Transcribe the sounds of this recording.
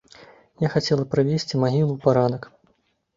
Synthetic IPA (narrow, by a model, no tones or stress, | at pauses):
jaxat͡sʲɛlˠɐpɾavʲesʲt͡sʲimaɣʲilˠupaɾanɐk